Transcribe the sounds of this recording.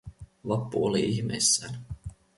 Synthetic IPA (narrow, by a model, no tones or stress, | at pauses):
ʋɑpːuoliiçmḛjsːæːn